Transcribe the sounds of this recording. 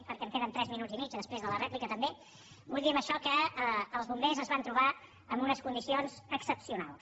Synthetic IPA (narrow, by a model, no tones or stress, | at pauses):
pəɾkɛmfenənt̪ɾɛzminud͡zimit͡ʃðəspɾezðələrɛplikət̪əmbe | bulʲˠd̪iəməʃɔkəːlˠzβumbezəzβant̪ɾuβa | əmbunəskund̪isionzəksəpsiuna̰lˠs